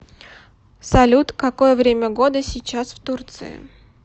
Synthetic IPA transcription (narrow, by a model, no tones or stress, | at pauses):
sɐlʲut̪kɐko̞jəvɾʲemʲəɡo̞d̪əsʲɪt͡ɕːasft̪urt̪sɨ̰ɪ̰